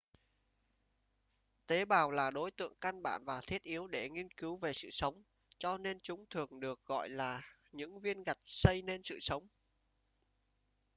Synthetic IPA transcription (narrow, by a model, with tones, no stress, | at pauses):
t̪e˨˦ɓaː˨˩wlaː˨˩ɗo˨˦jt̪ɨ̰˧˨əŋka˧nɓa̰ː˧˨nvaː˨˩t̪ʰi˦˥ət̚ʔi˨˦əwɗe˧˩ŋi˧ənki˨˦wve˨˩sɨ̰˧˨sə˨˦wŋ͡m | t͡ɕɔ˧ne˧nt͡ɕʊ˨˦ŋ͡mt̪ʰɨ˨˩əŋɗɨ˨˩ək̚ɣɔ̰˧˨jlaː˨˩ | ɲɨ̰˧˥ŋvi˧ənɣa˨˩t̚sə˧jne˧nsɨ̰˧˨sə˨˦wŋ͡m